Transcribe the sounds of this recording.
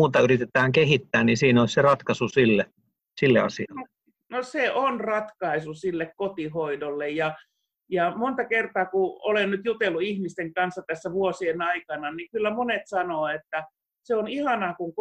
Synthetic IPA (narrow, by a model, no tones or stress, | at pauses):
uːt̪ɑyrit̪et̪æːŋkehit̪ːæːnnisiːnoˑisserɑt̪kɑsusilːe | silːḛɑ̰siɑle | noseʔonrɑt̪kɑisusilːekkot̪ihoidolːejjɑ | jɑmont̪ɑkert̪ɑːkuolennyt̪jut̪elːuihmist̪eŋkɑnsːɑt̪æsːæʋuosienɑikɑnɑnikylːæmonet̪sɑnoːet̪ːæ | seonihɑnɑːkuŋk